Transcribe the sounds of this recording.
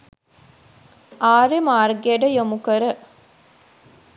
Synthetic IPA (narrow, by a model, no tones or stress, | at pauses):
ʔaːɾemaːrɡeəɖəjomukəɾə